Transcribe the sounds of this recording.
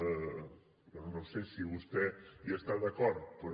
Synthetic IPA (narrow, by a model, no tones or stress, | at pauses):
onõwsesiβust̪ɛiaest̪aðakɔɾðpəɾ